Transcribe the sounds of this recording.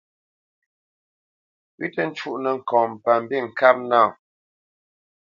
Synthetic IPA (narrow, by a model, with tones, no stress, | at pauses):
wi˦tə˦n̩˦t͡ʃu˦˨ʔnə˨ŋ̩˨kɔ̃ː˨m˨pa˨m˨bi˦˨ŋ̩˨ka˦p̚na˦˨